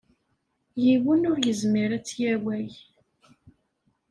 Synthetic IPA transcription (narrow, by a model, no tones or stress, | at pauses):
jiwənʊɾjəzmiɾæt͡sːjæwæj